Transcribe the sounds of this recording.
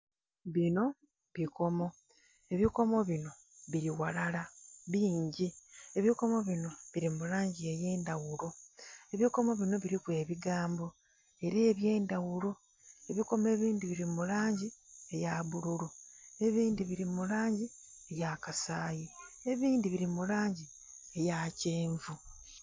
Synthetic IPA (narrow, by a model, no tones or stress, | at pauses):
βino̞ | βiko̞mo̞ | e̞βiko̞mo̞βino̞ | βiɾiwalalaβiːɲɟie̞βiko̞mo̞βino̞βiɾimulaːɲɟie̞je̞ːndawulo̞e̞βiko̞mo̞βino̞βiɾikwe̞ːβiɡaːmbo̞ | e̞ɾeːβje̞ːndawulo̞ | eβiko̞me̞ːβiːndiβiɾimulaːɲɟiejaβuɾulue̞βiːndiβiɾimulaːɲɟi | ejakasaːji | e̞βiːndiβiɾimulaːɲɟi | ejaceːɱvu